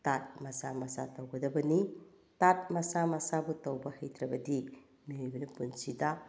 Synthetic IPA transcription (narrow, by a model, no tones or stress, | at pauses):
tat̚mɐsamɐsa̰tɐwɡɐdɐbɐni | tat̚mɐsamɐsabutɐwbɐhɐjtɾɐbɐdi | miojbɐnɐpunsida